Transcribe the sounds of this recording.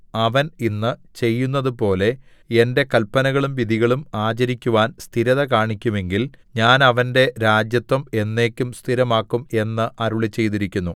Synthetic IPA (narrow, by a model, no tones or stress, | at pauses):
ɐʋɐninːɨt͡ɕe̞jːunːɐðupo̞ːle̞ | e̞nde̞kɐlpːɐnɐɣɐɭumʋid̪ʱiɣɐɭumaːt͡ɕɐɾikʲːuʋaːnst̪ʰiɾɐðɐkaːɳikʲːume̞ŋɡilɲaːnɐʋɐnde̞ɾaːd͡ʑjɐt̪wɐme̞nːe̞ːkʲːumst̪ʰiɾɐmaːkːume̞nːɨʔɐɾuɭet͡ɕːe̞jt̪iɾikʲːunːu